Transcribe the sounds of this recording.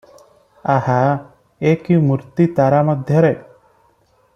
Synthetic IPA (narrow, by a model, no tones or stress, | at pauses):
aha | ekimuɾt̪it̪aɾamɔd̪ʱjʌɾe